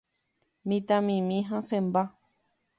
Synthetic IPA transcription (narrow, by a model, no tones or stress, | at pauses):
mĩt̪ãmĩmĩɦãsẽmba